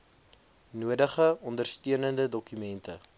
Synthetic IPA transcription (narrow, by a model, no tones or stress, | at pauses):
nuədəχəɔndərstiənəndədɔkymɛntə